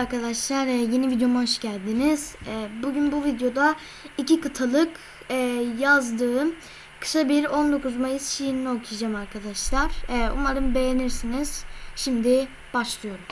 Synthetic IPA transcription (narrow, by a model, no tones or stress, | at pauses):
aɾkad̪aʃlˠaɾɛje̞nivid̪jo̞muɦoʃɟælʲd̪iniz̥ɛːbuɟynbuvid̪jo̞d̪a | icikɯt̪ʰalˠɯk | ɛjazd̪ɯːm | kʰɯ̥sabiɾo̞nd̪o̞kuzmajɯsʃijinino̞kʰujd͡ʒaːmaɾkʰad̪aʃlˠaɾ̥ɛːṵnmaɾɯmbe̞jeniɾsiniz̥ʃimd̪i | b̥aʃlˠɯjo̞ɾum